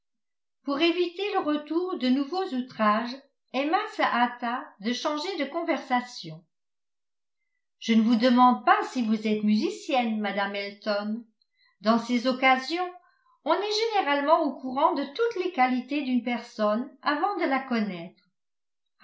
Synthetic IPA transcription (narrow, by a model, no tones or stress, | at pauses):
puʁevit̪eləʁət̪uʁd̪ənuvozut̪χaʒ | ɛmasaʔːt̪ad̪əʃɑ̃ʒed̪əkɔ̃vɛʁsasjɔ̃ | ʒ̥ənəvud̪əmɑ̃d̪̚pasivuzɛt̪myzisjɛnmad̪amɛlt̪ɔn | d̪ɑ̃sezɔkazjɔ̃ | ɔ̃nɛʒeneʁalmɑ̃okuʁɑ̃d̪ət̪ut̪lekalit̪ed̪ynpɛʁsɔnavɑ̃d̪əlakɔnɛt̪χ